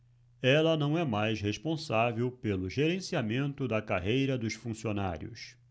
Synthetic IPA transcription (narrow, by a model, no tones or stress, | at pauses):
ɛlɐnɐ̃w̃ɛmajsɦeʃpõsavewpelʊʒeɾẽsiamẽnt̪ʊd̪ɐkaɦejɾɐd̪ʊʃfũsiona̰ɾjʊ̰s